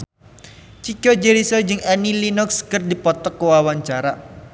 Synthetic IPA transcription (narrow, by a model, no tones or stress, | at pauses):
t͡ʃikɔd͡ʒeɾisɔd͡ʒɨŋɛnilinʊkskərdipɔt̪ɔkːowawaɲt͡ʃaɾa